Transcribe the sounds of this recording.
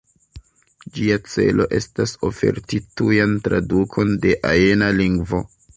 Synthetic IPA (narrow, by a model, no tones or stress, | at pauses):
d͡ʒiat͡se̞̰lo̞̰ʔe̞staso̞fe̞̰ɾtitujantɾadukʰo̞nde̞ʔajenaliŋɡvo̞̰